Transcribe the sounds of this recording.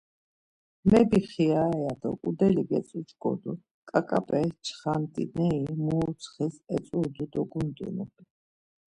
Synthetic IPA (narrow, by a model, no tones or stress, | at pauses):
mɛbiχiaɛad̪ɔ̰kʼud̪ɛlibɛt͡sʼut͡ʃɡʼɔ̰d̪u | kʼakʼapʼɛt͡ʃʰχant̪ʼḭnɛimuːsʰχisɛt͡s̪ʼuɾd̪ud̪ɔɡund̪ʼṵnub